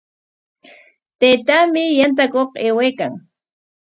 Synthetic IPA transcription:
t̪ejt̪amɪjant̪̬akoqeːwejkaŋ

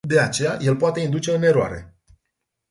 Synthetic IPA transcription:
d̪e̞at͡ʃe̞jaje̞lpoat̪e̞ind̪ut͡ʃe̞ɨne̞ɾoa̰ɾe̞̰

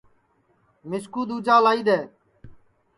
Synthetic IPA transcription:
mɪskuːd̪uːd͡ʒaːlaːiːd̪eː

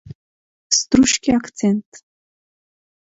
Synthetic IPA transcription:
st̪ɾuʃkʲiakt̪sɛnt̪

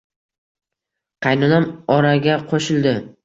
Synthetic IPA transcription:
qʰɑjnʊnamɒɾaɡʲaqʰoʃɪlˠd̪ɪ

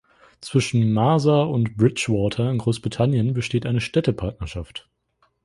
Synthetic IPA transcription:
t͡sv̥ɪʃn̩maːzaʊntb̥ʁɪt͡ʃvɔːtʰɐɪnɡʁoːsb̥ʁitʰanjənbəʃteːtʔaɪnəʃtɛtəpʰaɐtnɐʃaft

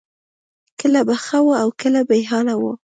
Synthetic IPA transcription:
kəlabaxawəawkəlabajɦɑnawu

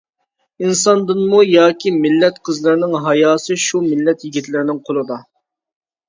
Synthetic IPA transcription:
insɑnd̪ɨnmujɑːkʲʰimɪlːɛt̪qʰəzlˠɨɾnɪŋɦɑjɑːsɨʃumɪlːɛt̪jiɡʲit̪ʰlɪɾɪnɪŋqʰolˠɨd̪ɑ

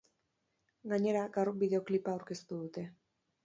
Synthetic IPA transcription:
ɡaɲe̞ɾaɡawrbiðe̞o̞klipaːwɾke̞st̪uðut̪e̞

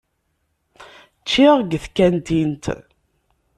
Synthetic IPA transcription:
t͡ʃːiʁɡəθkænt̪int̪

